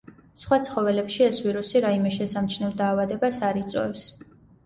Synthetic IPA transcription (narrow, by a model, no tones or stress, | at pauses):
sχwat̪sʰχɔvɛlɛpʃiɛsviɾusiɾaimɛʃɛsamt͡ʃʰnɛvd̪aːvad̪ɛbasaɾit̪sʼwɛ̰fs